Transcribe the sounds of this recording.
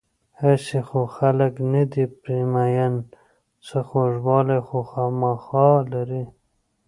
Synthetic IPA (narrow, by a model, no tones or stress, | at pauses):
asixoxaləknad̪ipɾimajan | t͡səxoʐwɑlaxoxɑmaxɑlaɾi